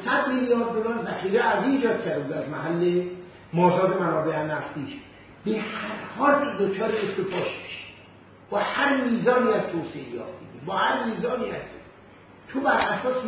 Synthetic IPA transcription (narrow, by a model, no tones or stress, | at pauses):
sæd̪milijɒːɾd̪̚ːolɒːɾzæxiːɾeæɾziːd͡ʒɒːd̪̚cʰæɾd̪ebuːd̪æzmæɦælːe | mɒːzɒːd̪emænɒːbehænæft̪iːʃ | b̥ehæɾhɒːlid̪ot͡ʃʰɒːɾeest̪efɒːʃbe̥ʃi̥ | b̥ɒhæɾmiːzɒːniːæz̥t̪ʰoːseejɒ̰ːt̪bḭd̪ibɒːhæɾmiːzɒːniːæs | t̪ʰobæɾʔæsɒːs